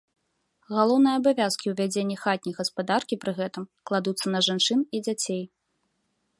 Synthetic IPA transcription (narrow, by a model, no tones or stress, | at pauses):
ɣalˠɔwnɨjɐabavʲaskʲiwvʲad͡zʲenʲːɐxat̪ʲnʲijɣɐspad̪arkʲipɾɨɣɛt̪ɨmklˠad̪ut̪sːɐnɐʐant͡ʂɨnid͡zʲat͡sʲej